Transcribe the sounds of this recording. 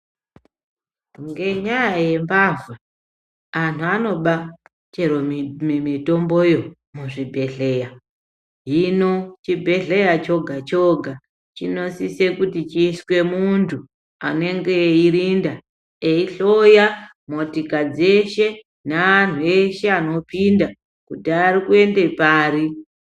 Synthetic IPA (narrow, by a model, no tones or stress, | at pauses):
ŋɡe̞ɲajaje̞mbavwe | an̤uano̞ɓa | t͡ʃeɾomemito̞mbo̞jo̞ | muʐibʱe̞ɮe̞ja | ɦinot͡ʃibʱe̞ɮe̞jat͡ʃo̞ɡʱat͡ʃo̞ɡʱa | t͡ʃino̞sise̞kutit͡ʃiːswe̞muntʰu | a̰ne̞ŋɡeiɾinda | eiɬo̞ja | mo̞tikad͡ze̞ʃe̞ | naan̤ue̞ʃe̞ano̞pinda | kudarikue̞ndepaːɾi